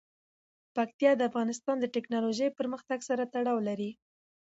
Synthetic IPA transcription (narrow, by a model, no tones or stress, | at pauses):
pak̚t̪ijɑd̪əafɣɑnɪst̪ɑnd̪əʈɛknɑloʒəjpəɾməxt̪aɡsaɾat̪aɽɑwlaɾi